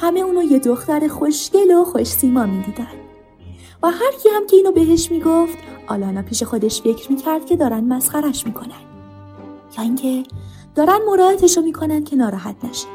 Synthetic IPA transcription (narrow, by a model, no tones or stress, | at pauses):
hæme̞uːnoje̞d̪oxt̪æɾexo̞ʃce̞loxo̞ʃsiːmɒːmid̪iːd̪ænd̪̥ | væhæɾcʰiːhæmcʰe̞iːnobe̞ɦe̞ʃmiːɡoft̪ʔɒ̰ːlɒːnɒːpʰiːʃe̞xo̞d̪e̞ʃfe̞cʰɾmiːcʰæɾd̪̥̚cʰe̞d̪ɒːɾænd̪mæsxæɾæʃmiːkʰo̞nænd̪̥ | jɒːiŋcʰe̞ | d̪̥ɒːɾænd̪mo̞ɾɒːet̪ʰeʃomiːkʰo̞nænd̪̥̚cʰe̞nɒːɾɒːɦæt̪ʰnæʃe̥